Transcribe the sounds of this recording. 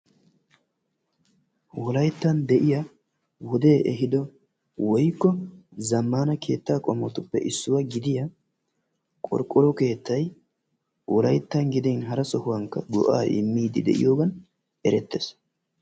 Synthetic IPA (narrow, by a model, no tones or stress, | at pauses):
wɔlɐjt̪ːɐnd̪ɛʔɪjɐ | wɔd̪e̞ːɛɦɪd̪ɔ | wɔjkːɔzɐmːaːnɐkʰe̞̰ːt̪ːaːkʼɔmːɔt̪ʊpːɛ̰ʔɪsːʊwɐɡɪd̪ɪjɐ | kʼɔ̰ɾkʼːɔlɔke̞ːt̪ːɐj | wɔlɐjt̪ːɐnɡɪd̪ɛnɦɐɾɐsɔhʊwɐŋkːɐɡɔ̰ʔa̰ːʔɪ̰mːiːd̪ɪ̰d̪ɛ̰ʔɪ̰joːɡɐn | ɛɾɛt̪ːes